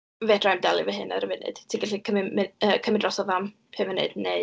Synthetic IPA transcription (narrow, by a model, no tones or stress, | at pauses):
vɛdrajmdalˠɨvəɦɨna̰ɾəvɪnɨ̰d̥tʰiɡɛɬikʰəmɪmɪəːkʰəmɪdrɔsɔvam | pʰɛvɪnɨ̰d̥ne